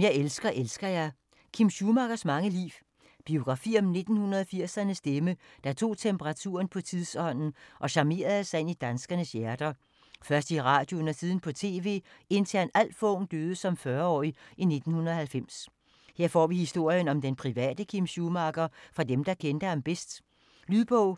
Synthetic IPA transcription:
jɑ̈ɪelsɡ̥ɐʔelsɡ̥ɐjɑ̈ɪ | kʰimɕumɑ̈ɡ̥ɐsmɑ̈ŋəlḭːʋ | b̥io̝ɡ̥ʁɑ̈fḭːɒ̽mne̝d̥n̩hunɐðˠfiɐ̰sɐnəsd̥eməd̥ɑt͡sʰo̝̰ːt͡sʰempʰəʁɑ̈t͡sʰṵːɐnpʰɒ̽t͡sʰiðˠsɒ̽n̰n̩ʔɒ̽ɕɑ̈me̝̰ːɐðˠsɑe̝nid̥ænsɡ̥ɐnəsjæɐd̥ɐ | fɶɐsd̥iʁɑ̈ːd̥jonɐsiːð̞ˠən̩pʰɒ̽t͡sʰe̝̰ːʋe̝̰ːe̝nt͡sʰæɐnæl̰fɔːnd̥øːðˠəsɒ̽mfɶɐɒ̰ːiʔine̝d̥n̩hunɐðˠhælfem̰s | he̝ɐ̰fɒ̰ːʋihisd̥o̝ɐ̰jənɒ̽md̥enpʰʁiʋɛ̰ːd̥əkʰimɕumɑ̈ɡ̥ɐfʁɑ̈d̥emd̥ɑ̈kʰend̥əɑmb̥esd̥ | lyðˠb̥ɔʊ̰

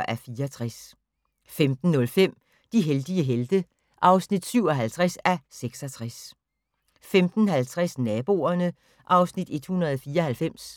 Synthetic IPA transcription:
ʔæfiːɐɒt͡sʰʁas | femd̥n̩ːɔ̽lfem̰ | d̥iɦeld̥iəɦeld̥ə | ʔɑ̈ʊsnid̥syʊ̰ɒ̽ɦælt͡sʰʁasæseɡ̥sɒt͡sʰʁas | femd̥n̩hælt͡sʰʁasnɛːb̥o̝ːɐnə | ʔɑ̈ʊsnid̥e̝d̥hunʁɐðˠɒfiːɐɒ̽hælfem̰s

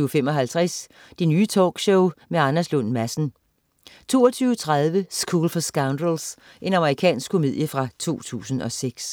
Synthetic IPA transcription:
femɒ̽ɦælt͡sʰʁæs | d̥enyːt͡sʰɒ̰ːɡ̥ɕɔʊmeɑ̈næslɔnmæsn̩ | t͡sʰo̝̰ːɒt͡sʰyːʊət͡sʰʁað̞ˠʋəsɡ̥uːlfɒsɡ̥äʊnd̥əls | ʔe̝nɑ̈məʁikʰɛ̰ːnsɡ̥kʰo̝mḭð̞̰ˠjəfʁɑ̈t͡sʰo̝̰ːt͡sʰṵːsn̩ɒ̽seɡ̥s

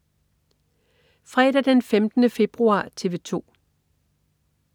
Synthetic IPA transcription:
fʁɛ̰ːd̥æd̥enfemd̥ənəfe̝b̥ʁuɑ̰̈ːt͡sʰe̝ːʋe̝t͡sʰo̝̰ː

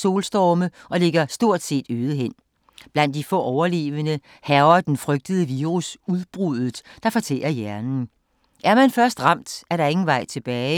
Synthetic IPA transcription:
so̝ːlsd̥ɒːməʔɒ̽le̝ɡ̥ɐsd̥o̝ɐ̰d̥se̝̰ːd̥øːðˠəɦen̰ | b̥læn̰d̥̚ifɔ̰ːʔɒʊɐle̝̰ːʋənə | hæʊɐd̥enfʁœɡ̥̚d̥əð̞̩ˠəʋiːʁusuðˠb̥ʁuð̰ˠð̩ˠd̥ɑ̈fɒt͡sʰḛːɐjæɐnn̩ | ʔæɐmænfɶɐsd̥ʁɑ̈m̰d̥æɐɾɑ̈e̝ŋn̩ʋɑ̈ɪ̰t͡sʰe̝b̥ɛːɪ

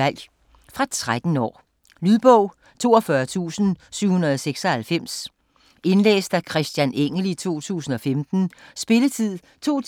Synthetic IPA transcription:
æl̰ | fʁɑ̈t͡sʰʁad̥n̩ɒ̰ː | lyðˠb̥ɔʊ̰ | t͡sʰo̝̰ːɒfɶɐt͡sʰṵːsn̩syʊhunɐðˠɒseɡ̥sɒ̽hælfem̰s | e̝nlḛːsd̥ækʰʁɛsd̥jæneŋ̰əlit͡sʰo̝̰ːt͡sʰṵːsn̩ɒ̽femd̥n̩sb̥e̝lət͡sʰið̰ˠ | t͡sʰo̝̰ː

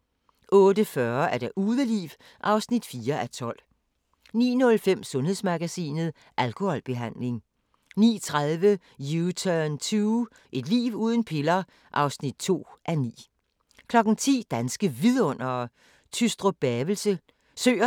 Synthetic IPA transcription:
ʔɔ̽ːd̥əfɶɐæɐɾ̥eʔuːðˠəlḭːʋ | ʔɑ̈ʊsnid̥fiːɐʔæt͡sʰɒ̽l̰ | nḭːnɔ̽lfem̰sɔ̽nhe̝ðˠsmɑɡ̥æsḭːnð̞̩ˠ | ʔælkʰo̝hɒ̽lb̥e̝ɦæn̰le̝ŋ | nḭːt͡sʰʁaðˠʋə | jut͡sʰønt͡sʰuː | ʔe̝d̥lḭːʋuːð̞ˠən̩pʰe̝lɐ | ʔɑ̈ʊsnid̥̚t͡sʰo̝̰ːʔænḭː | kʰlɒ̽ɡ̥n̩t͡sʰḭːd̥ænsɡ̥əʋiðˠɔ̽n̰ɐ | t͡sʰysd̥ʁob̥ɛːʋl̩sə | sø̰ːɐ

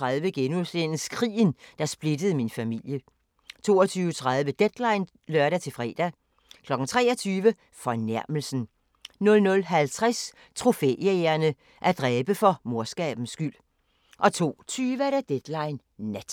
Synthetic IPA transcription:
ʁɑðˠʋəɡ̥enuslenskʰʁḭːnd̥ɑ̈sb̥le̝d̥əð̩ˠəminfæmil̰jə | t͡sʰo̝̰ːɒt͡sʰyːʊət͡sʰʁäð̞ˠʋəd̥ed̥lɑ̈ɪn | lɶɐɾæt͡sʰe̝lfʁɛ̰ːd̥æ | kʰlɒ̽ɡ̥n̩t͡sʰʁɛ̰ːɒ̽t͡sʰyːʋə | fɒ̽næɐ̰məl̩sn̩ | nɔ̽lnɔ̽lɦælt͡sʰʁas | t͡sʰʁo̝fḛeɐnə | ʔæɐd̥ʁɛːb̥əfɒ̽mo̝ɐsɡ̥ɛ̰ːb̥n̩sɡ̥yl̰ | ʔɒ̽t͡sʰo̝̰ːt͡sʰyːʋəæɐɾæd̥ed̥lɑ̈ɪnː | æd̥

